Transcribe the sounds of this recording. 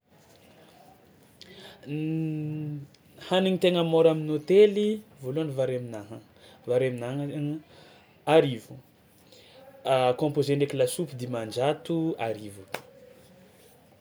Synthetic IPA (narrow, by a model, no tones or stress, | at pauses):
haniŋit̪eŋəmoɾaminot̪elivoluanivaɾaminaɦa | vaɾemina | aɾivu | akɔ̃mpozeɳɖ͡ʐekilasupid̪imand͡ʒat̪uaɾivu̥